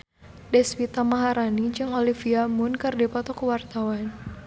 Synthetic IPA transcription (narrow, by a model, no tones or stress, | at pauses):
dɛspit̪amaɦaɾanid͡ʒɨŋɔlifiamʊnkɨrdipɔt̪ɔkuwart̪awan